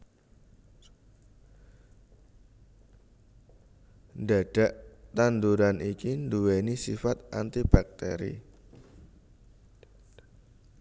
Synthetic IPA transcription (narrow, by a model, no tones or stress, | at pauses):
nɖaɖ̥aʔt̪and̪uɾanikind̪uwenisifat̪̚ʔant̪ib̥ak̚t̪ḛɾḭ